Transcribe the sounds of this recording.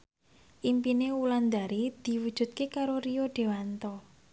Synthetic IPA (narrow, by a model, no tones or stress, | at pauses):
ʔimpineuland̪a̤ɾid̪̥i̤wud̥ʒ̥ṳt̪̚kekaɾorijoɖ̥e̤want̪ɔ